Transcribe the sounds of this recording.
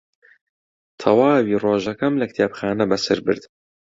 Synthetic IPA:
t̪ʰɐwaːwiːroːʒɐkɐmlɐkt̪ʰjeːpxaːnɐbɐsɐɾbɨ̰ɾd̪

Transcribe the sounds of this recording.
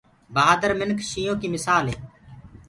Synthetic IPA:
baːd̪əɾmɪnkʰʃiːjõːkiːmɪsaːleː

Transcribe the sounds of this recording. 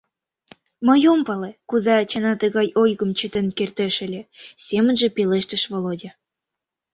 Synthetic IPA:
məjompɑlekuzɑːt͡ɕɑnɑt̪əɣɑjojɣə̆mt͡ɕət̪enkert̪eʃĕlʲesemənʒĕpeleʃt̪ə̆ʃvolodʲe

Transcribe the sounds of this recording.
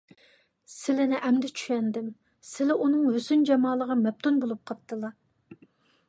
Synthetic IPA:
sɪlɪnɪʔɛmd̪ɛt͡ʃʰyʃɛnd̪ɪm | sɪlɛʔunɨŋhøsynd͡ʒɑmɑːlˠəʁɑmɛp̚t̪ʰunbolˠup̚qʰɑp̚t̪ːɨlˠɑ

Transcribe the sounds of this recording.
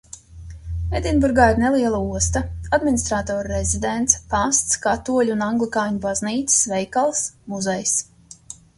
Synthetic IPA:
ɛd̪ʲinbuɾɡaːjnɛlˠiɛlˠauɔst̪aad̪minist̪ɾat̪ɔːɾɾɛzid̪ɛnt̪spast̪skat̪uɔlʲunaŋɡlˠikaːɲubazniːt̪ssvɛjkalˠsmuzɛjs

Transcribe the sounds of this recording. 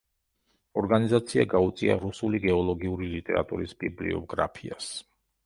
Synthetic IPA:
ɔɾɡanizat̪sʰiaɡaut̪sʼia̰ɾusuliɡɛɔlˠɔɡiuɾilit̪ʼɛɾa̰t̪ʼuɾisbiblḭɔ̰ɡ̥ɾa̰pʰias

